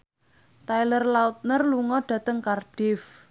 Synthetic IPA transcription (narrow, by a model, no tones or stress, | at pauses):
t̪ajlərlaut̪̚nərluŋɔɖ̥ä̤t̪əŋkarɖ̥ɪf